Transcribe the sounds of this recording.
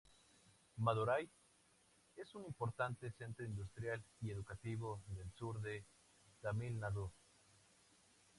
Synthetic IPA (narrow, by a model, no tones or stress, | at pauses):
maðuɾaj | e̞sunimpo̞ɾt̪ant̪e̞se̞nt̪ɾoind̪ust̪ɾjalie̞ðukat̪iβo̞ðe̞lsuɾðe̞ | t̪amilnaðu